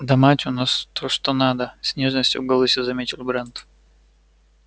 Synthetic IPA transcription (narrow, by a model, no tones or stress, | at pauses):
d̪ɐmatʲʊnast̪oʂt̪onad̪əsʲnʲe̞ʐnəsʲtʲʊ̰ɡɐlˠɨsʲɪzɐmʲetʲɪlʲˠbɾɛnt̪